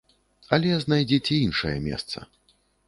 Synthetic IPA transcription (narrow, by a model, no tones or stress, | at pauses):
ɐlʲɛznajd͡zʲɛt͡sʲɛinʂɐjɛ̰mʲɛ̰st̪sɐ̰